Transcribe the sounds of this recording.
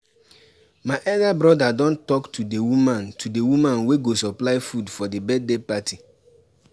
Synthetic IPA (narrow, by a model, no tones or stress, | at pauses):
maɪʔɛldabɹɔdadɔ̃ntɔktʰudewumãntʰudewumãnweɡosɔplaɪfudfɔdebɛt̚depatʰi